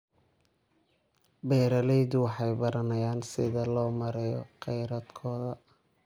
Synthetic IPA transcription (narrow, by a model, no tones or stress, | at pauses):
bɛːɾɐlɛjðʊwɑħɑjbɐɾɐnɐjaːnsɪðɐlɔːmɐɾɛjɔ̰qɛjɾɐd̪kʰɔːðɐ